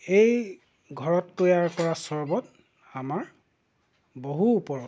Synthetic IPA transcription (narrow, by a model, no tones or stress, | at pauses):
ej | ɡʱɔɹɔtkojaɹkɔɹasɔɹbɔt | amaɹ | boɦuːpɔɹɔ